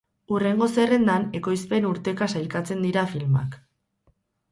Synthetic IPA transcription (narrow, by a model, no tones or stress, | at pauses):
ure̞ŋɡose̞re̞nd̪ane̞ko̞jspe̞nuɾt̪e̞kasajlkat͡se̞nd̪iɾafilma̰k